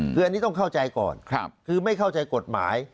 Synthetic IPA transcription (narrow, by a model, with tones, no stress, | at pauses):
ɯː˧a˧nːiː˦˥t̪ɔ˥˩kʰa˥˩wt͡ɕa˧jkɔ̰ː˨˩nk̚ʰkʰɯː˧ma˥˩jkʰa˥˩wt͡ɕa˧jko˨˩t̪̚ma̰ː˩˦j